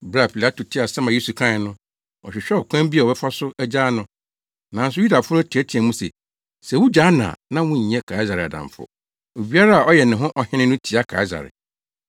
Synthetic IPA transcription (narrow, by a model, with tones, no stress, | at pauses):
ba˨pʰi˨la˦tu˨tʰɪ˦a˨sã˦mã˨u˦su˨kʰã˦ɪ˨nʊ̃˦ | ɔ̰˨ɕᶣɛ˨ɕᶣɛ˦ɔ˨kʷʰã˦m˦bi˦a˨ɔ˨bɛ˦fa˦sʊ˦æ˦d͡ʑaː˦nʊ̃˦ | nã˨n˦s̬ʊ˦ju˦da˨fʊ˦ʊ˦tʰi˨æ˦tʰi˨ɛ˨mũ˦sɛ̰˨ | sɛ˨wu˦d͡ʑaː˦nã̰ː˨nã˦wʊ̃˦ɲ̩˨ɛ̃˦kʰa˨i˦za˨ɾɪ˨a̰˨dã̰˨ɱfʊ̰˦˨ | e˨wi˦a˦ɾa˦a˨ʔɔ˦jɛ˨nɪ̃˨ɦʊ̃˦ʔɔ˨hɪ̃˦nɪ̃˦nʊ̃˦tʰi˨a˦kʰa̰˨i˦za̰˨ɾɪ̰˨